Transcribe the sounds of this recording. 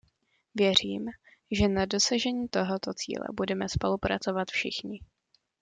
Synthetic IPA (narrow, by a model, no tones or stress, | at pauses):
vjɛr̝iːm | ʒɛnado̞saʒɛɲiːt̪o̞ɦo̞t̪o̞t͡sḭːlɛ̰budɛmɛspo̞lupɾat͡so̞vat̪fʃɪxɲɪ